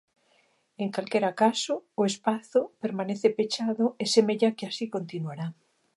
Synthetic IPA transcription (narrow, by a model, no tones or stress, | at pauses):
eŋkalkeɾakasʊːespaθʊpeɾmaneθepet͡ʃaðʊesemeʎakeasikont̪inuaɾa